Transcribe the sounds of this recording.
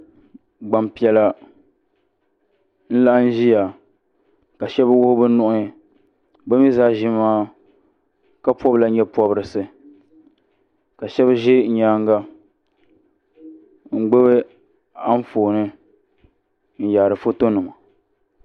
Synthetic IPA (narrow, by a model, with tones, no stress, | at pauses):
ɡ͡ba˨mpi˨ɛ˨la˨ | n̩˦la˦ʔn̩˦ʒi˦ja˨ | ka˨ʃɛ˦bɨ˦wʊ˦hʊ˦bɨ˦n˦nʊ˦ʔʊ˦ɲ˨ | bɛ˦mi˦zaː˦ʒi˦maː˦ | ka˦pɔ˦bla˨ɲɛ˦pɔ˦bɾɨ˨sɨ˨ | ka˨ʃɛ˦bɨ˦ʒɪ˦ɲ̩˨ɲaː˦ŋ˦ɡa˦ | ŋ̩˨ɡ͡be˦bɨ˦ | a˦ɱ̩˦foː˨nɨ˦ | n̩˨jaː˨ɾɨ˨fo˦to˦nɨ˨ma˨